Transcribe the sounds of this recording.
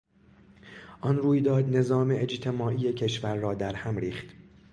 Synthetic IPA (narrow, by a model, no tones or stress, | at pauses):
ʔɒnruːjd̪ɒːd̪ne̞zɒːme̞ʔed͡ʒt̪ʰe̞mɒːʔiːjecʰe̞ʃvæɾːɒːd̪æɾhæmɾiːχt̪